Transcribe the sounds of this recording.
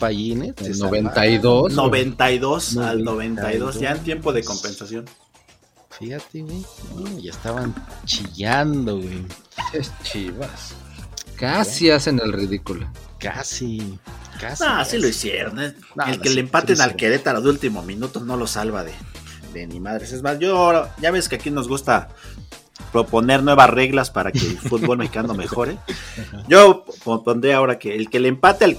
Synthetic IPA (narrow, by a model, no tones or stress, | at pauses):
paʝinesnoβent̪ajðonoβent̪ajðosalnoβent̪ajðosʝaent̪je̞mpo̞ðeko̞mpe̞nsasjo̞n | fixat̪eɣwejoʝaest̪aβant͡ʃiʝand̪oɣwejest͡ʃiβaskasiasenelriðikuloka̰sikanoasiloisjḛɾones | elkelempat̪enalkeɾet̪aloðult̪imomĩnut̪ono̞lo̞salβaðed̪enimaðɾesezmasʝoaoɾaʝaβeskeakino̞zɣust̪a | pɾo̞po̞ne̞ɾnwe̞βasre̞ɣlaspaɾakelffuð̚βolmexi̥kanomexo̞ɾeɟ͡ʝopond̪ɾiaːo̞ɾakeːlke̞lempat̪eal